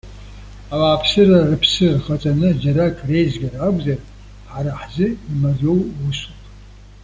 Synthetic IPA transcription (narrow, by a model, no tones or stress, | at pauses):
awaːpʰsɨrarɨpʰsɨrχɐt͡sʼanɨd͡ʒɐɾakʰʼrejzɡʲaraːɡʷʼzɐr | ħaɾaħzɨimarowwusupʰʼ